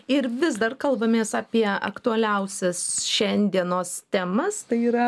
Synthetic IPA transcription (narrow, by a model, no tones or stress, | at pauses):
ɪɾʋʲɪzd̪ɐrkɐlˠbɐmʲeːsɑːpʲiɛɐ̰kt̪ʊɐlʲɛʊsʲɛsʃʲɛnʲd̪ʲiɛnoːst̪ʲæmɐst̪ɐɪiːɾɐ